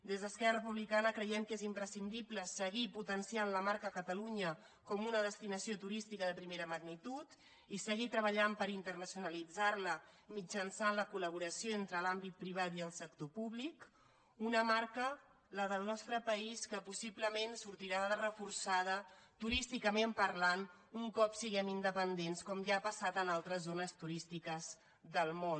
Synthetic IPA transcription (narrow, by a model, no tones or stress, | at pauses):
d̪ezðəskɛrərəpuβlikanəkɾəjɛmkezimpɾəsind̪ipləsəɣiput̪ənsianləmaɾkəkət̪əluɲə | kɔmunəðəst̪inəsiot̪uɾist̪ikəðəpɾimeɾəməɣnit̪ut̪ | isəɣit̪ɾəβəʎampəɾint̪ərnəsjunəlid͡zarləmid͡ʒənsanləkuləβ̞uɾəsijoent̪ɾəlambit̪̚pɾiβ̞at̪iəlˠsəkt̪opuβlik | unəmaɾkə | ləðəlˠnɔst̪ɾəpəiskəpusiβləmensuɾt̪iɾaðəðərəfuɾsaðət̪uɾist̪ikəmempəɾlan | uŋkɔpsiɣɛmind̪əpənd̪enskɔmʒaːpəsat̪ənalˠt̪ɾəzːonəst̪uɾist̪ikəz | ðəlˠmon